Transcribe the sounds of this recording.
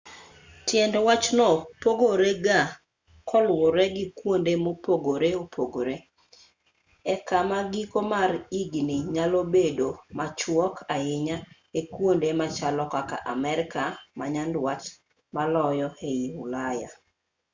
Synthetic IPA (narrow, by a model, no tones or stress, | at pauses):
tjɛndwat͡ʃnɔpoɡoɾeɡa | kʰɔlwɔɾɛɡɪkwondemopoɡoɾeopʰoɡoɾe | ɛkamaɡikomariɡnɪɲalobedomat͡ʃwɔkʰaɪɲa | ekwondemat͡ʃalɔkaka̰ʔamɛɾɪkamaɲandwat͡ʃ | malɔjɔheiulaja̰